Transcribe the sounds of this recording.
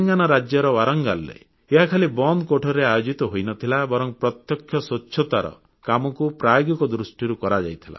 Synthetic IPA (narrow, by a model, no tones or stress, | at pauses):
ŋɡanɔɾad͡ʒjɔɾɔwaɾɔŋɡalːḛ | eɦakʰalibɔnd̪koʈʰɔɾeajod͡ʒit̪ɔɦojnɔt̪ʰilabɔɾɔŋpɾɔt̪jɔkʰːjɔsɔt͡ʃːʰɔt̪aɾɔ̰ | kamɔkupɾajɔɡikɔd̪ɾusʈiɾukɔɾad͡ʒa̰jt̪ʰila̰